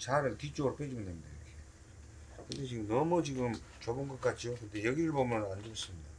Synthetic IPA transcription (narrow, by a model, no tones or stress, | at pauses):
t͡ɕaɾɯɭtit͡ɕ͈oɾop͈ed͡ʑumndemidaikʰe | kɯnde̞t͡ɕiɡɯmnʌmut͡ɕiɡɯmt͡ɕobɯnɡʌk͈at͡ɕ͈ijokɯnde̞jʌɡiɾɯɭbomʌnand͡ʑos͈ɯmɲida